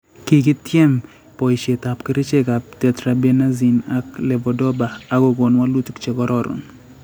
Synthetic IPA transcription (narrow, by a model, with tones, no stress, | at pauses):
ki˨ki˦tjɛ˦m | pɔ˨i˨ʃe˨ta˨pki˦ɾi˦t͡ʃe˦ka˨p̚tɛ˦tɾa˨be˦na˦zi˨na˨klɛ˨bɔ˨dɔ˦baː˨ko˨ɡo˨nwa˦lu˦tkt͡ʃe˨kɔ˦ɾɔ˦ɾʊ̰n